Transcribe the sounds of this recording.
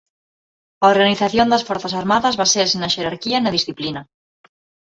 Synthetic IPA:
ɐoɾɣaniθaθjond̪ɐsfɔɾθasaɾmaðɐzβaseɾsnɐʃeɾaɾkiɐnɐðisθiplinɐ

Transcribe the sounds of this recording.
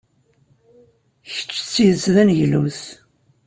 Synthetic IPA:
çə̥t͡ʃːt͡sːiðəsðænʝlṵs

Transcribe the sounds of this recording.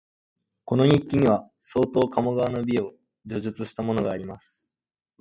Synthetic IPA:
ko̞no̞ɲ̟ikʲːiɲ̟iβa | so̞ːt̪o̞ːkamoɡaβano̞bʲieo̞ | d͡ʑo̞ʑɨt͡sɨɕi̥t̪amo̞no̞ɡaːɾʲimasɨ̥

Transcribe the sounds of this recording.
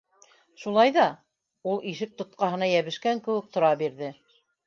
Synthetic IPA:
ʃulˠɑjðɑ | ulˠiʃɘk̚t̪ŏt̪̚qɑɦɤ̆nɑjæβɘ̆ʃkæŋkɘ̆wɘk̚t̪ŏɾɑbiɾðɘ

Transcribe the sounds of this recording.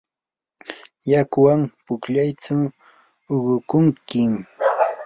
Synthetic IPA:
jakwampʊkʎajt͡ʃaː | ɢʊkʊŋkɪm

